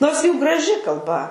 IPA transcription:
ˈnoːrs ˈjuː ɡrɐˈʒʲɪ kɐlˠˈbɐ

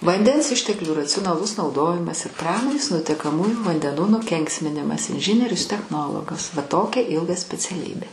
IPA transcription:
ʋɐnʲˈdʲɛns ˈɪʃʲtʲɛklʲuː rɐt͡sʲʊnɐˈlˠʊs nɐʊˈdoːjɪmɐs ɪr ˈprɑːmoːnʲeːs nʊtʲɛkɐˈmuːjuː ʋɐnʲdʲɛˈnuː nʊˈkʲɛŋksʲmʲɪnʲɪmɐs ɪnʲˈʒʲɪnʲiɛrʲʊs tʲɛxˈnoːlˠoːɡɐs ʋɐ ˈtoːkʲɛ ˈɪlˠɡɐ sʲpʲɛt͡sʲɛˈlʲiːbʲeː

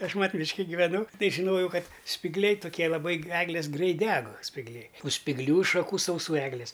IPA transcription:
ˈɐʃ ˈmɐtʲ ˈmʲɪʃʲkʲɪ ɡʲɪʋʲɛˈnʊ ˈtɐɪ ʒʲɪˈnoːjɛʊ ˈkɐt sʲpʲɪɡˈlʲɛɪ tʊˈkʲiɛ lˠɐˈbɐɪ ˈæːɡlʲeːs ˈɡrʲɛɪt ˈdʲɛk sʲpʲɪɡˈlʲɛɪ ʊ sʲpʲɪɡˈlʲuː ʃɐˈkuː sɐʊˈsuː ˈæːɡlʲɪs

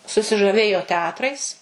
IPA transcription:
sʊsʲɪʒɐˈʋʲeːjoː tʲɛˈɑːtrɐɪs

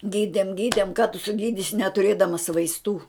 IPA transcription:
ˈɡʲiːdʲɛm ˈɡʲiːdʲɛm kɐ tʊ sʊˈɡʲiːdʲɪsʲɪ nʲɛtʊˈrʲeːdɐmɐs ʋɐɪsˈtuː

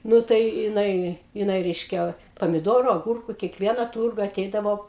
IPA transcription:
ˈnʊ tɐɪ jɪˈnɐɪ jɪˈnɐɪ ˈrʲɛɪʃʲkʲɛ pɐmʲɪˈdoːrʊ ɐˈɡʊrkʊ kʲiɛˈkʋʲiɛnɐ ˈtʊrɡɐ ɐˈtʲɛɪdɐʋoː

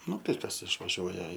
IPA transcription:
ˈnʊ tɐɪ ˈkɐs ɪʃʋɐˈʒʲuɔjɛ

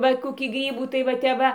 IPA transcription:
ˈʋɐ koːˈkʲiː ˈɡrʲiːbuː tɐɪ ʋɐ ˈtʲɛp ˈʋɐ

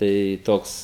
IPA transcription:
ˈtɐɪ ˈtoːks

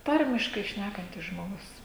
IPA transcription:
ˈtɐrʲmʲɪʃkɐɪ ˈʃʲnʲækɐnʲtʲɪs ʒmoːˈɡʊs

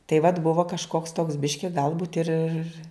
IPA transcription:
tɐɪ ʋɐt ˈbʊʋoː kɐʃˈkoːks toːks ˈbʲɪʃʲkʲɪ ˈɡɐlˠbuːt ɪr ɪr

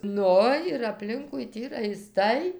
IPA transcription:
ˈnʊ ɪr ɐpʲˈlʲɪŋkʊɪ ˈtʲiː rɐɪˈstɐɪ

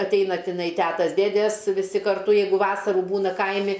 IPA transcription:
ɐtʲˈɛɪnɐ tʲɪˈnɐɪ ˈtʲæːtɐs ˈdʲeːdʲeːs ʋʲɪˈsʲɪ kɐrˈtʊ ˈjɛɪɡʊ ˈʋɑːsɐruː ˈbuːnɐ ˈkɐɪmʲɪ

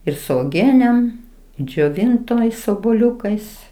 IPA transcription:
ɪr sʊ oːˈɡʲiɛnʲɛm d͡ʒʲoːˈʋʲɪntoːɪs oːbuɔˈlʲʊkɐɪs

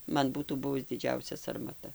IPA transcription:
ˈmɐn ˈbuːtuː ˈbʊʋʊs dʲɪˈd͡ʒʲɛʊsʲɛ sɐrmɐˈtɐ

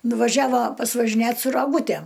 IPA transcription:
nʊʋɐˈʒʲæːʋɐ pɐsʋɐʒʲɪˈnʲeːt sʊ rɐˈɡuːtʲæm

